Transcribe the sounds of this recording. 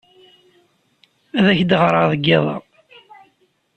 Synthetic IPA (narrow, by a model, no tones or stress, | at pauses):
æðæçd̪əʁɾˤɑʁðəɡːæðˤɑ̰